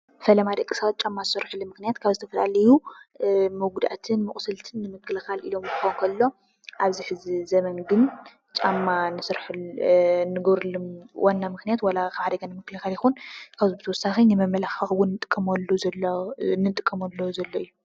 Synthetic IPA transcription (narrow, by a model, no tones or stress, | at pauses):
fɐlɐmad̪ɐkʼːisɐwat̪̚t͡ʃʼamːazɨsɐɾħɨlːumɨxnijat̪kʰaβzɨt̪ʰɐfɐla̰lɐju | muɡud̪ʔa̰t̪ʰɨnmɨkʼsɨlt̪ʰɨnːɨmɨkːɨlxalʔilo̞mkɨxoŋkʰɐlːo̞ | ʔaβziħɨzizɐmɐnɡɨn | t͡ʃʼamːanɨsɨɾħ | nɨɡɐβɾɨlumwanːamɨxnijat̪wɐlakʰaʕad̪ɐɡanɨmɨkːɨlxaljɪxunkʰaβzubɨt̪ʰɐwɔsːaxinɨmɐmːɐlaxɐxwʊnːɨt̪ʼɨkʼːɐmɐlːuz | nɨt̪ʼɨkʼːɐmɐlːozɐlːoɨjːu